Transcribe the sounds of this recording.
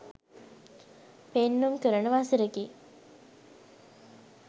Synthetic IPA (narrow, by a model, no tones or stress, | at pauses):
penːumkəɾəɳəʋasiɾeki